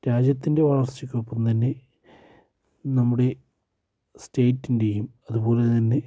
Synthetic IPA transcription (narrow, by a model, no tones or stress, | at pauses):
ɾaːd͡ʑjɐt̪ːinde̞ʋɐɭɐrt͡ɕːɐkʲːuopːɐmt̪ɐnːe̞ | nɐmːuɽe̞ | steːtːindejumɐðupo̞ːle̞t̪ɐnːe̞